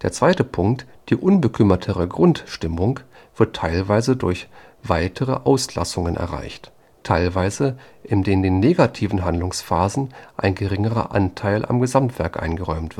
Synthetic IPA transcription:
d̥eːɐt͡sv̥aɪtəpʰʊŋk̚t | d̥iːʔʊnbəkʰʏmɐtʰəʁəɡʁʊntʃtɪmʊŋ | v̥ɪɐtʰːaɪlvaɪzədʊɐç | v̥aɪtʰəʁə̰ʔaʊsla̰sʊŋənʔɛ̰ɐʁa̰ɪçt | tʰaɪlvaɪzəʔɪndeːmdeːnːeːɡatʰiːvn̩ɦandlʊŋsfaːzn̩ʔa̰ɪnɡəʁɪŋəʁɐ̰ʔantʰaɪlʔa̰mɡəzamtv̥ɛɐkʔa̰ɪnɡəʁɔʏmtv̥ɪ

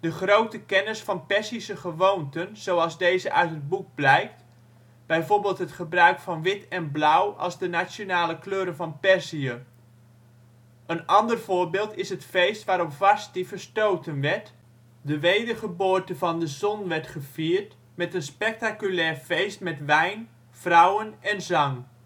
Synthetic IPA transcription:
dəχrowtəkɛnɪsfɑnpɛɹsisəχəʋowntənz̥owɑlˠzdejzəʔœɥtɦəd̚buɡ̚blɛjkt | b̥ɛjvoːɹbeːlˠtɦətχəbrœɥkfɑnʋɪtɛnblʌwɑ̰lˠzdənasjonaːləkløːɾəvɑnpɛɹziə | ənɑndərv̥ʊːɹbɪːlˠtɪsətfejstʋaːɾɔpvɑstiv̥əɹstowtənʋɛɹt | dəʋejdəχəboːɹtəvɑndəzɔnʋɛɹtχəv̥iːəɹt | mɛtənspɛk̚takylɛːɹfejstmɛtʋɛjn | v̥rʌwənɛnzɑŋ

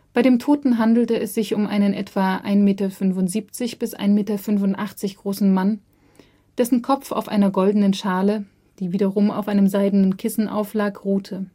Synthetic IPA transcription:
b̥aɪɾeːmtʰoːtn̩ɦandl̩təɛsz̥ɪçʊmʔa̰ɪnənʔɛtv̥aːʔa̰ɪnmeːtɐfʏnvʊntz̥iːp̚t͡sɪçb̥ɪsʔa̰ɪnmeːtɐfʏnvʊntʔaχt͡sɪçɡ̥ʁoːsn̩man | d̥ɛsn̩kʰɔp͡fa̰ʊfʔa̰ɪnɐɡɔldən̩ənʃaːlə | d̥iːviːɾɐʁʊma̰ʊfʔaɪnəmzaɪdn̩ənkʰɪsn̩ʔa̰ʊflaːkʁuːtʰə

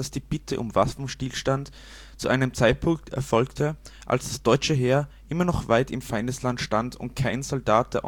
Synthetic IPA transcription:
asd̥iːb̥ɪtʰəʔʊ̰mvafn̩ʃtiːlʃtant | t͡suʔaɪnəmt͡saɪt̚pʰʊŋktʰɛ̰ɐfɔlktʰəʔa̰lsd̥asd̥ɔʏt͡ʃəɦeːɐʔɪmɐnɔχv̥aɪtɪmfaɪndəslantʃtandʰʊ̰nt̚kʰaɪnzɔldaːt̚d̥eːɐʔ

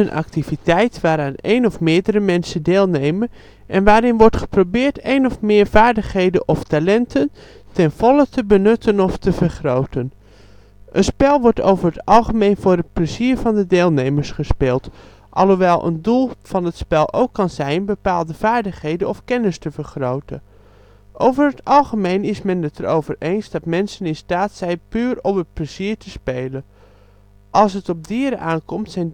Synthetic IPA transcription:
ənʔɑ̰k̚tivitɛjtʋaːɾaːnejnɔfmɪːɹdəɾəmɛnsəndeːlˠnejmən | ʔɛnʋaːɾɪnʋɔɹtχə̥probɪːɹtejnɔfmɪːɹv̥aːɹdəχɦejdənʔɔftalɛntʰən | tɛnv̥ɔlətəbənɵtʰənɔftəvəɹχrowtən | ʔənspɛlˠʋɔɹto̰wvəɹɦətɑlˠχəmejnvʊːɹət̚pləziːɹvɑndədɪːlˠnejməɹsχəspɪːlˠt | ʔɑ̰lˠɦoʋɛlˠʔə̰ndulˠv̥ɑnətspɛlˠʔo̰wkːɑnzɛjnbəpaːlˠdəv̥aːɹdəχɦejdənɔfkɛnəstəvəɹχrowtə̰ | ʔowvəɹɦətɑlˠχəmejnɪsmɛnətəɾowvəɹʔejnzdɑtmɛnsənɪnstaːtsɛjnpyːrɔpət̚pləziːɹtəspejlən | ʔɑlˠs̬ɦətɔb̚dɪːɾəʔaːnkɔmtsɛjn

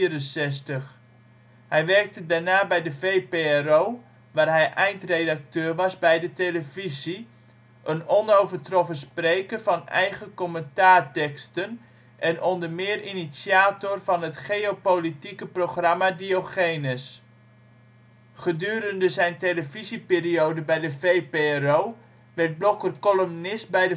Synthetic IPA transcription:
iəɾənsɛstəχ | hɛjʋɛrk̚tədaɹnaːbɛjdəvejpeɛroː | ʋaːrɦɛjʔɛjntrejdak̚tøːrʋɑsbɛjdəteləvizi | ʔənɔnowvərtrɔfənsprejkərvɑnɛ̰jɣəkɔməntaːrtɛkstən | ʔɛnɔndərmɪːrinisjaːtɔrvɑnətχejopolitikəproχramadioχeːnəs | χədyːəɾəndəzɛjnteləvizipɪːriowdəbɛjdəvejperoː | ʋɛrt̚blokərkɔlomnɪsbɛjdə

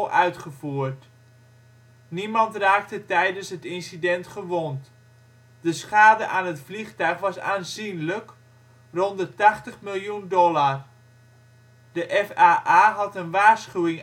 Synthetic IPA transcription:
lʔœɥtχəvuːrt | nimɑntraːk̚tətɛjdənsɦətɪnsidɛntχəʋont | d̥əsχaːdəʔaːnɦətfliχtœɥχʋɑsa̰ːnzinlək | rɔndətaχtəχmɪlˠjundɔlar | dəʔɛfaːʔaɦɑtənʋaːrsχywɪŋ

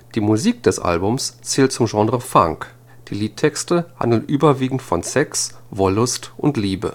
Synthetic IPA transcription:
d̥iːmuziːk̚d̥ɛsʔa̰lbʊmst͡sɛːlt̚t͡sʊmʒɑ̃ːdʁəfa̰ŋk | d̥iːliːtʰːɛkstəha̰ndl̩nʔyːbɐviːɡŋ̩tfɔnsɛksvɔlʊstʔʊntliːbə̰

